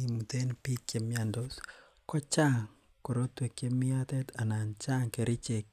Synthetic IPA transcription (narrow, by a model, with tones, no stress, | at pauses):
i˨mute˦npi˦kjemjandos | kɔ˦t͡ʃa˦ŋ | ko˨ɾotwe˨kjemi˦a˦te˦ta˨na˨nt͡ʃa˦ŋke˨ɾʔi˦t͡ʃe˨k